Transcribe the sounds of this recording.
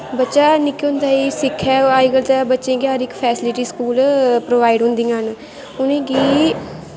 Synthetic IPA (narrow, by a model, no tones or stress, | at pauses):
bətːʃaːnɪkːɦʊ̃nd̪aːiːsɪkʰːɛːaːiɡəlt̪ɛbətːʃẽːɡɪjaːɾɪkpʰɛːsɪlɪʈiːskuːlpɾoːʋaːiɖɦʊ̃nd̪ĩːɦən | ʊnẽːkiː